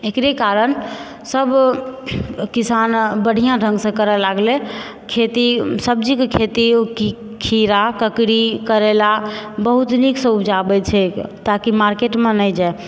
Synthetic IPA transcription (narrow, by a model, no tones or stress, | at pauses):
ekɾekaɾən | səb | kisanbəɽ̤ʱijãɖʱə̃ŋɡsə̃kəɾɛlaɡle | kʰet̪isəb̚d͡ʒikekʰet̪iki | kʰiɾakəkɾikəɾɛlabəɦut̪niksə̃ubd͡ʒabɛt͡ʃʰɛkt̪akimaɾkeʈmẽnɛd͡ʒae